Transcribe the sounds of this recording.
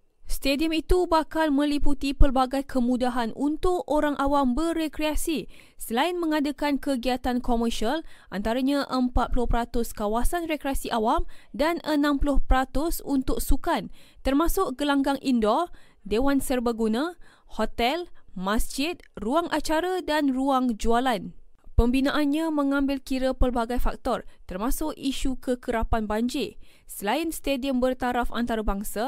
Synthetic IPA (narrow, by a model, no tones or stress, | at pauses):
st̪ediəmit̪ubakalmə̃liput̪ipərbaɡajkʰəmũdaɦanunt̪ʊkoɾaŋʔawambərekɾeasi | səlaɪnmə̃ŋadakankəɡiat̪ankomərʃialʔant̪aɾaɲãʔəmpat̪̚plʊhpəɾat̪ʊskawasanrekɾeasiʔawamdanənãmplʊhpəɾat̪ʊsunt̪ʊk̚sukant̪ərmasʊʔɡəlaŋɡaŋʔindɔ | dewansərbaɡunã | hot̪ɛlmasd͡ʒɪt̪̚ruaŋʔat͡ʃaɾadanruaŋd͡ʒualanpəmbinãʔanɲãmə̃ŋãmbɪlkiɾəpərbaɡajfak̚t̪ɔrt̪ərmãsʊkiʃukəkəɾapanbaɲd͡ʒɪsəlaɪnst̪ediəmbərt̪aɾafa̰nt̪aɾabaŋsa